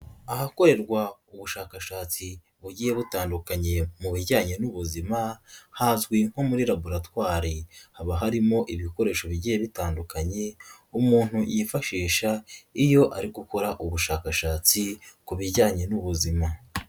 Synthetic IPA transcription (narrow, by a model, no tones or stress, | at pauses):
aɦako̞ɾe̞ɾɡwauβuʃaːkaʃaːt͡si | βuɟijeβutaːndukaɲe̞muβiɾɟaːɲe̞nuβuzimahazɡwiŋ̥homuɾiɾaβuɾatwaːɾehaβaɦaɾimo̞ʔiβiko̞ɾe̞ːʃo̞βiɟije̞βitaːndukaɲe̞ | umuːn̥hujifaʃiːʃaijo̞ʔaɾiɡuko̞ɾaʔuβuʃaːkaʃaːt͡sikuβiɾɟaːɲe̞nuβuzima